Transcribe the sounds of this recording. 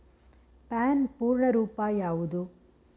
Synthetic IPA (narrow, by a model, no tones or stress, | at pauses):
paːnpuːɾɳɐɾuːpaːjaːʋud̪u